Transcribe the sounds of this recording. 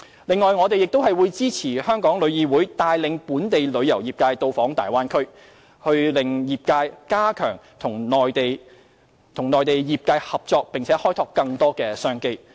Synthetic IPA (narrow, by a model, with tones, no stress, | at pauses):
lɪ˨ŋːɔː˨˧jŋɔː˨˧t̪e˨jɪ˨k̚t̪o˥wɦɐ˨jwu˨˧jt͡siː˥t͡sʰiː˨˩hœː˥ŋkɔː˨˥ŋlɵ˨˧ɥjiː˨˧wuː˨˥jt̪aː˨jlɪ˨˧ŋpuː˨˥nt̪e˨jlɵ˨˧ɥjɐ˨˩wjiː˨˩p̚kaː˧jt̪o˧wfɔː˨˥ŋt̪a̰ː˨jwaː˥nkʰɵ˥ɥ | hɵ˧ɥlɪ˨ŋjiː˨p̚kaː˧jkaː˥kʰœː˨˩ŋ | t̪ʰʊ˨˩ŋnɔː˨˩jt̪e˨j | t̪ʰʊ˨˩ŋnɔː˨jt̪e˨jjiː˨p̚kaː˧jhɐ˨p̚t͡sɔː˧k̚pɪ˨ŋt͡sʰɛː˨˥hɔː˥jt̪ʰɔː˧kːɐ˧ŋt̪ɔː˥kɛː˧sœː˥ŋke˥j